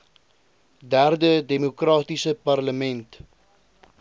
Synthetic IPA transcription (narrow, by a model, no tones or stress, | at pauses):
dærdədemukrɑːtisəpɐrləmɛnt